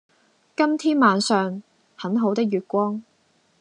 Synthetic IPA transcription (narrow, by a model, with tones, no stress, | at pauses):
kɐ˥mt̪ʰiː˥nmaː˨˧nsœː˨ŋ | hɐ˨˥nɦo˨˥wt̪ɪ˥k̚jyː˨t̚kʷɔː˥ŋ